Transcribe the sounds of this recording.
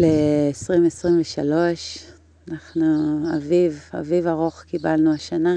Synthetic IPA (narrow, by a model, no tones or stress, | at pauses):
leːsʁimesʁimveʃalo̞ʃ | anaχnuaviva̰vivaʁoχkibalnuaʃana